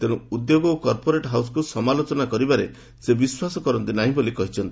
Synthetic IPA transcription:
t̪eɽ̃ũud̪joɡɔːkɔɾpoɾeʈɦaws̬ɔ̥kusɔmalot͡ʃɔnakɔɾibaɾḛ | sebiswasɔkɔɾɔnt̪inaɦĩbolikɔɦit͡ʃʰɔnt̪ii

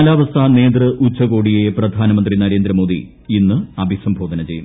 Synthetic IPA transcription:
laːʋɐst̪ʰane̞ːd̪rɨʔut͡ɕːɐɣo̞ːɽijeprɐd̪ʱaːnɐmɐnd̪rinɐɾe̞ːnd̪ɾɐmo̞ːd̪ḭ | inːɨɐbʱisɐmbʱoːd̪ɐnɐt͡ɕe̞jum

